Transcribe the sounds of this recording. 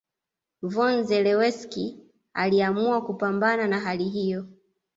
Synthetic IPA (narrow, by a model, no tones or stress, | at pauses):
vɔnzɛlɛwɛski | a̰liamuakupambananaɦaliɦijɔ